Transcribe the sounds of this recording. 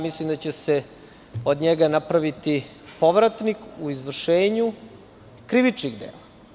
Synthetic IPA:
mislimd̪at͡ɕese | od̪ɲeɡanapɾaʋit̪i | po̞ʋɾat̪nikuizʋr̩ʃeːɲu | kɾiʋit͡ʃniɣd̪ḛːla

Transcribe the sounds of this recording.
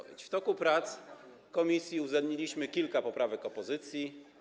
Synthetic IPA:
vʲḛt͡ɕft̪ɔkupɾat̪s | kɔmʲisʲjiuzɛd̪ɲilʲiɕmɘkʲilkapɔpɾavɛkɔpɔzɘt̪sʲji

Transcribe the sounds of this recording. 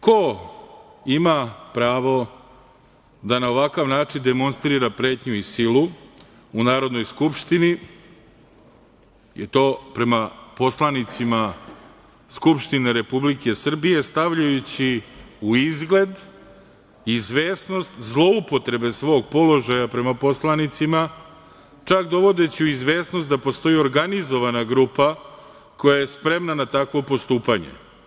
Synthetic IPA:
ko | imapɾaːʋo̞ | d̪anao̞ʋakaʋnaːt͡ʂind̪e̞mo̞nst̪ɾiɾapɾe̞ːt̪ɲuisilu | unaːɾo̞d̪no̞jskupʃt̪ini | jet̪o̞ːpɾe̞mapo̞slˠanit̪sima | skupʃt̪ine̞ɾe̞publike̞sr̩bije̞st̪aʋʎajut͡ɕiuizɡle̞d̪ | izʋe̞ːsno̞st̪zlˠo̞upo̞t̪ɾe̞be̞sʋo̞ːɡpo̞lo̞ʒajapɾe̞mapo̞slˠanit̪sima | t͡ʃakd̪o̞ʋo̞d̪e̞t͡ɕiuizʋe̞ːsno̞st̪d̪apo̞st̪o̞jio̞ɾɡanizo̞ʋanaɡɾuːpa | ko̞jajespɾe̞mnanat̪akʋo̞po̞st̪uːpaɲe̞̰

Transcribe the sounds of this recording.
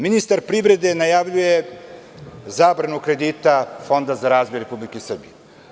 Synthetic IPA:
minist̪aɾpɾiʋɾe̞d̪e̞najaʋʎuje | zaːbɾanukɾe̞d̪it̪afo̞nd̪azaɾaːzbojɾepublikesr̩bḭje

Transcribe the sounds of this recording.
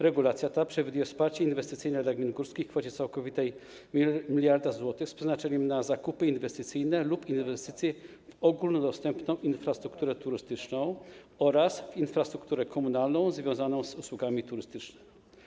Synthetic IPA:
ɾɛɡulat̪sʲjat̪apʂɛvʲd̪ujɛfspaɾt͡ɕɛinvɛst̪ɘt̪sɘjnɛd̪laɡmʲiɛnɡuɾskʲikfɔt͡ɕɛt̪sawkɔvʲit̪ɛj | mʲilʲjaɾd̪azwɔt̪ɘxspʂɛznat͡ʂɛɲɛmnazakupɘinvɛst̪ɘt̪sɘjnɛlupinvɛst̪ɘt̪sʲjɛ | vɔɡulnɔd̪ɔst̪ɛmpnɔ̃w̃ʔinfɾast̪ɾukt̪uɾɛt̪uɾɘst̪ɘt͡ʂnɔ̃w̃ | ɔɾasvinfɾast̪ɾukt̪uɾɛkʰɔmunalnɔ̃w̃zvʲjɔ̃w̃zanɔ̃w̃zuswuɡamʲit̪uɾɘst̪ɘt͡ʂnɛmi

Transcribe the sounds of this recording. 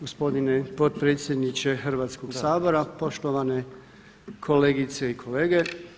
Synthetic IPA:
ɡospo̞d̪inepod̪pɾet̪sʲje̞d̪nit͡ʃe̞xr̩ʋaːt̪skoɡ̥saːbo̞ɾapo̞ʃt̪oʋane̞ | kʰo̞leːɡit̪seikʰo̞leːɡe̞

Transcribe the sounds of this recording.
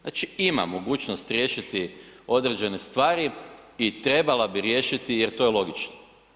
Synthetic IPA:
at͡ʃiima̰mo̞ɡuːt͡ʃnost̪ɾʲje̞ːʃit̪io̞d̪ɾe̞d͡ʒe̞ne̞st̪ʋaːɾiit̪ɾe̞balabiɾjeʃit̪ijeɾt̪ojelˠo̞ɡit͡ʃno

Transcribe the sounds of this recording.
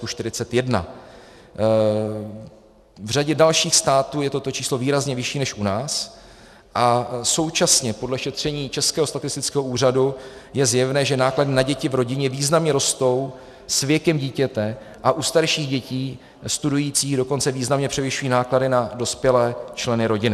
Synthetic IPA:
kuʃt̪ɪɾɪt͡sɛt̪jɛdna̰ | vr̝aɟɛdalʃiːxst̪aːt̪uːjɛt̪o̞t̪o̞t͡ʃiːslo̞viːɾazɲɛvɪʃiːnɛʃʔunaːs | ʔaso̞wt͡ʃasɲɛpo̞dlɛʃɛt̪r̝̥ɛɲiːt͡ʃɛskɛːɦost̪at̪ɪst̪ɪt͡skɛːɦo̞ʔuːr̝adujɛzjɛvnɛːʒɛnaːkladɪnaɟɛcɪvɾo̞ɟɪɲɛviːznamɲɛɾo̞st̪o̞w | svjɛkɛmɟiːcɛt̪ɛ | ʔaʔust̪aɾʃiːɣɟɛciː | st̪udujiːt͡siːɣdo̞ko̞nt͡sɛviːznamɲɛpr̥ɛvɪʃujiːnaːkladɪnado̞spjɛlɛːt͡ʃlɛnɪɾo̞ɟɪnɪ

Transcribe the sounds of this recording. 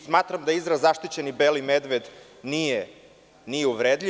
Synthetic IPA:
smaːt̪ɾamd̪aizɾazaʃt̪it͡ɕenibelimed̪ʋed̪ | nije | nijeuʋɾeːd̪ʎʲi

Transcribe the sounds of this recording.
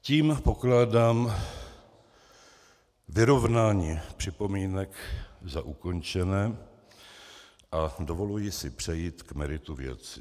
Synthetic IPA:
ciːmpo̞klaːdaːm | vɪɾo̞vnaːɲiːpr̥ɪpo̞miːnɛkzaʔuko̞nt͡ʃɛnɛː | ʔadovo̞lujɪsɪpr̥ɛjiːt̪kmɛɾɪt̪uvjɛ̰t͡sɪ

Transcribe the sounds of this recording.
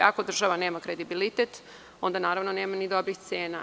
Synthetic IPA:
akod̪r̩ʒaʋane̞ːmakɾe̞d̪ibilit̪et̪ | o̞nd̪anaːɾaʋnone̞ːmanid̪o̞bɾixt̪seːna

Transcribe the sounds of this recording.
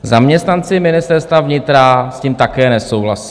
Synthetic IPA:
zamɲɛst̪nant͡sɪmɪnɪst̪ɛɾst̪vavɲɪt̪ɾasciːmt̪akɛːnɛsowɦla̰si̥

